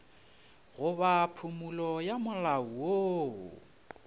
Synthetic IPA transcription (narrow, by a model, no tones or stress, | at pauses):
ɣʊβapʰumulɔjamʊlauwo̰